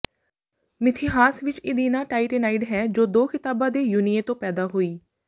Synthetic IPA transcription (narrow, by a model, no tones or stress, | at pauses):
mɪt̪ʰɪɦaːsʋɪt͡ʃɪd̪iːnãːʈaːiʈɪnaːiʈɦɛːd͡ʒoːd̪oːkʰɪt̪aːbãːd̪eːjuːnɪjẽːt̪õːpɛːd̪aːɦoːiː